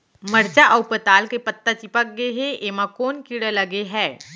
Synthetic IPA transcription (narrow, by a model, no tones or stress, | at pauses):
məɽt͡ɕaʔəwpət̪alkepət̪ːat͡ɕipək̚ɡeɦeʔeʋ̤akonkiɽəlaɡeɦɛ